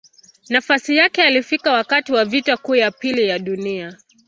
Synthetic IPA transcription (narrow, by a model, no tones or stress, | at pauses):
nafasijakɛalifikawakatiwavitakuːjapilijaɗunia